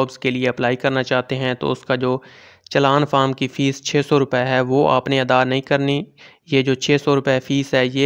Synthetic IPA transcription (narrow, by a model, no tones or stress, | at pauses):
bzkelieɐplaːikɐɾnat͡ʃaːɦt̪eɦɛ̃t̪o̰ːʊskad͡ʒoː | t͡ʃəlaːnfaːɾmkifiːst͡ʃʰeːsɔɾʊpɛɦɛʋoːʔa̰ːpneəd̪aːnɐɦĩkɐɾni | jed͡ʒoːt͡ʃʰeːsɔɾʊpɛfiːzɦɛjeː